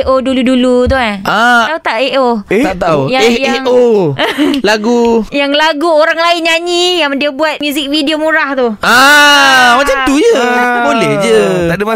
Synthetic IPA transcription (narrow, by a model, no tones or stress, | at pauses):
ʔoduludulut̪̬uɦanaaut̪aʔeʔoet̪aʔt̪aujaehjeʔo | laɡujaŋlaɡuoɾaŋlaɪnɲaɲijaŋdiəbuat̪̚mjuzɪk̚fidiomuɾaht̪ua | mat͡ʃamt̪ujəbolɛhd͡ʒəaʔdəma